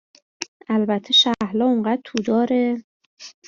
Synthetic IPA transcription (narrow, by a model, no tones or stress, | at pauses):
ælbæt̪ʰːe̞ʃæhlɒːoɴɢæd̪̚t̪ʰuːd̪ɒːɾe